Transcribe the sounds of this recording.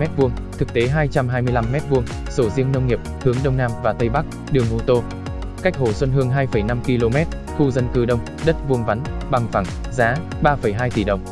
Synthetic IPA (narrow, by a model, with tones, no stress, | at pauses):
mɛ˦˥t̚vu˧əŋt̪ʰɨ˨˩k̚t̪e˨˦ɦaː˧jt͡ɕa˧mɦaː˧jmɨ˧əjla˧mːɛ˦˥t̚vu˧əŋ | so˧˩zi˧əŋnə˧wŋ͡mŋi˨˩əp̚hɨ˨˦əŋɗə˧wŋ͡mnaː˧mvaː˨˩t̪ə˧jɓa˦˥k̚ | ɗɨ˨˩əŋʔo˧t̪o˧ | ka˦˥jk̟̚ho˧˩swə˧nɦɨ˧əŋɦaː˧jfə˧˩jna˧mki˧lo˧mɛ˦˥t̚ | xu˧zə˧nkɨ˧˩ɗə˧wŋ͡m | ɗə˦˥t̚vu˧əŋva˨˦nɓa˨˩ŋfa˧˩ŋ | zaː˨˦ | ɓaː˧fə˧˩jɦaː˧jt̪ḭ˧˩ɗə˨˩wŋ͡m